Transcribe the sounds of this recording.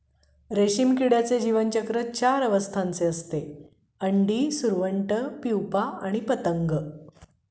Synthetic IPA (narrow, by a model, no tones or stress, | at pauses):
ɾeɕimkiɽjat͡sed͡ʑiʋənt͡ɕəkɾət͡ɕaɾəʋəst̪ʰãnt͡seəst̪e | əɳɖiːsuɾʋəɳʈəpiwpaaɽ̃ipət̪əŋɡə